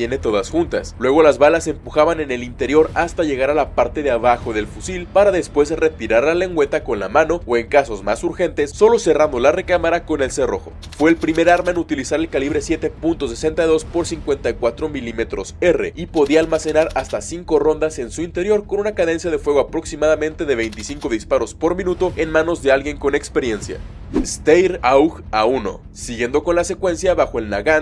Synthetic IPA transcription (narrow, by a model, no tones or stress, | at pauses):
jene̞t̪o̞ðasxunt̪a̰slwe̞ɣ̞o̞lazβalase̞mpuxaβane̞ne̞lint̪eɾjo̞ɾast̪aʝe̞ɣaɾalapaɾt̪e̞ðeaβaxo̞ðe̞lfusilpaɾaðe̞spwe̞sre̞t̪iɾaɾlale̞ŋɡwe̞t̪ako̞nlamãno̞oe̞ŋkaso̞zma̰suɾxe̞nt̪e̞sːo̞lo̞se̞rand̪olare̞kamaɾako̞ne̞lse̞ro̞̰xo̞̰ | fwe̞ːlpɾime̞ɾaɾmaenut̪ilisaɾe̞lkaliβ̞ɾe̞sje̞t̪e̞punt̪o̞se̞se̞nt̪ajðo̞spo̞ɾsiŋkwe̞nt̪ajkwat̪ɾo̞milime̞t̪ɾo̞̰se̞re̞̰ipo̞ðiaːlmase̞naɾast̪asiŋko̞ro̞nd̪ase̞nsuint̪e̞ɾjo̞ɾkonunakaðe̞nsjað̞e̞fwe̞ɣ̞o̞apɾo̞ksimaðamẽ̞nt̪e̞ðe̞β̞e̞jnt̪isiŋko̞ðispaɾo̞spo̞ɾmĩnut̪o̞enmãno̞zðe̞alɣje̞ŋko̞ne̞kspe̞ɾje̞nsja̰ | est̪ejɾawxauno̞̰ | siɣje̞nd̪o̞ko̞nlase̞kwe̞nsjaβaxo̞e̞lnaɣan